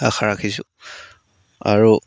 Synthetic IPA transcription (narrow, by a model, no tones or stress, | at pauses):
axʰaɹakʰisʊ̰ | a̰ɹu